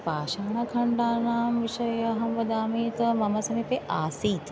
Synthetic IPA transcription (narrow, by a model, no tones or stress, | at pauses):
paːʃaːnɐkʰɐ̃ɳɖaːnaːmʋɪʃɐjɐɦɐ̃mʋɐd̪aːmĩːt̪ɐmɐmɐsɐmẽpeʔaːsiːt̪ʰ